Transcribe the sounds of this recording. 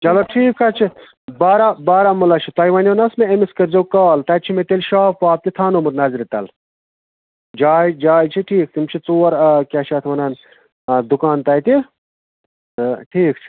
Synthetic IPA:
t͡ʃɐloʈʰiːkʰːɐt͡ʃʰi | baːɾabaːɾamulɐt͡ʃʰit̪ɐjʋɐnʲjonɐsmeemiskɐɾzowkaːlt̪ɐjt͡ʃʰimet̪elʃaːfpaːp̚t̪it̪ʰaːnomuɾnɐzɾit̪ɐ̰l | d͡ʒaːjd͡ʒaːjt͡ʃʰiʈʰiːk̚t̪imt͡ʃʰit͡soːɐɾkʲaːʃɐt̪ʰʋɐnɐn | d̪ukaːnt̪ɐjt̪i | ʈʰiːk̚t͡ʃʰi̥

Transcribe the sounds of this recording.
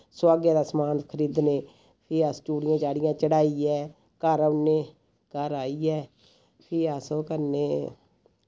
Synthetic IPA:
swaːɡeːd̪aːsəmaːnkʰəɾiːd̪neː | pʰɪːast͡ʃuːɽɪjãːt͡ʃaːɽɪjãːt͡ʃəɽaːiːɛː | kəɾʊnːeː | kəɾaːiːɛː | pʰɪːasoːkəɾneː

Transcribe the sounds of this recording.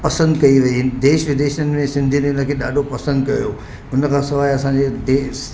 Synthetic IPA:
pɐsə̃nd̪kɐiʋɐid̪eːʃʋɪd̪eːʃənɪ̆mẽsɪ̃nd̪ʱinenəkʰeːɗa̰ːɖʱopɐsə̃nd̪kɐ̰jo | ʊnəkʰãːsɐʋaːjɐsãːɲd͡ʑed̪eː

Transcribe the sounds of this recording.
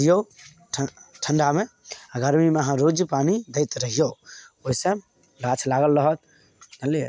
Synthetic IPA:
ijo | ʈʰəɳɖameaɡəɾmimeəɦãɾod͡ʒpanid̪əjt̪ɾəɦijooɦisə̃ | lat͡ʃʰlaɡəlːəɦɔt̪̚ | nəle

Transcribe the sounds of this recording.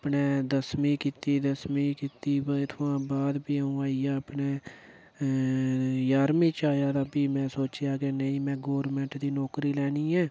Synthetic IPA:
pneːd̪əsmiːkiːt̪iːd̪əsmiːkiːt̪iːbət̪ʰoãːbaːd̪biːəũːaːiːjaːəpneː | jaːɾmiːt͡ʃaːjaːd̪aːbiːmɛ̃ːsoːt͡ʃjaːɡeːnəĩːmɛ̃ːɡoːɾmɛ̃ːɳʈd̪iːnɔːkɾiːlɛːniːɛ̃ː

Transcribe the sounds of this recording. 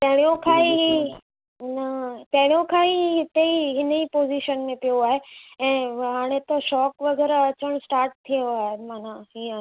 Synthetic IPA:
t̪ɐ̃ɦɪɽ̃ijõkʰaːiɦi | ɦɪnət̪ɐ̃ɦɪɽ̃ijõkʰaːiɦɪt̪eiɦɪnəiːpoːziʃənmẽpijoaːɦeɛ̃ːɦaːɽ̃et̪ɐʃɔːkʋɐɡɛːɾɐt͡ɕəɽ̃sʈaːɾʈ̚t̪ʰijoaːɦemaːnaɦiə̃

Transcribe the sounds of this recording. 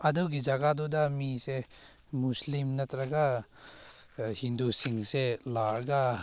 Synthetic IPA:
ɐduɡid͡ʒɐɡadudamise | muslimnɐt̪ɾɐɡa | hindusiŋselaɾɡa

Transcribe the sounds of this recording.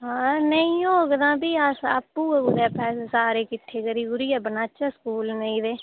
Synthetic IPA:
ɦanəĩõːɡd̪ãːbiːaːsa̰ːpːuːəɡʊd̪ɛːpʰɛːsːsaːɾeːkɪʈʰːeːkəɾiːɡʊɾiːɛːbənaːt͡ʃaskuːlnəĩːd̪eː

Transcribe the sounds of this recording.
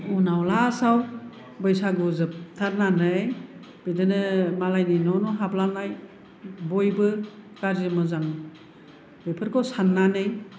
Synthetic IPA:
unawlasaw | bɯjsaɡuzɯp̚tʰaɾnanɯj | b̥idɯnɯmalajninɔnɔɦaplanaj | bɔjbɯkaɾzimɯzan | bejpʰɯɾkʰɔsanːanɯj

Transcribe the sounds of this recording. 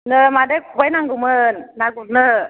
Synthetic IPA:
nɯmadɯkʰubajnaŋɡɯmɯnːaɡuɾnɯ

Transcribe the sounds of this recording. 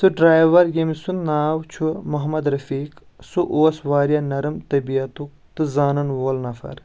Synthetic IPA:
sɨɖɾaːjʋɐɾɡemisunnaːwt͡ʃʰumɐɦɐmɐd̪ɾɐfiːk | suʔoːsʋaːɾjanɐɾɐmt̪ɐbiɐt̪ukt̪ɨzaːnɐnwoːlnɐfɐ̰ɾ

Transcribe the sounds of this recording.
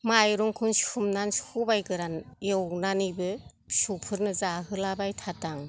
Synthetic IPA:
majɾuŋkʰunsumnanshubajɡɯɾanjewnanibɯ | supʰɯɾnɯzaɦɯlabajtʰataŋ

